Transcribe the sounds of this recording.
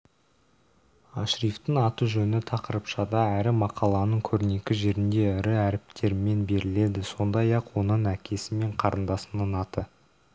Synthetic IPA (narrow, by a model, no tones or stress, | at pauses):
ɑʃɾijft̪əŋɑt̪uʒɵnɪt̪ʰɑqəɾəpʃɑd̪ɑæɾɪmɑqʰɑlˠɑnəɴkʲʰɵɾɪne̞kʲɪʒe̞ɾɪnd̪e̞ʏɾɪæɾɪp̚t̪ʰe̞ɾɪme̞nbe̞ɾɪle̞d̪ɪso̞nd̪ɑjɑqwo̞nəɴækʲʰe̞sɪme̞ɴqʰɑɾənd̪ɑsənɑnɑt̪ə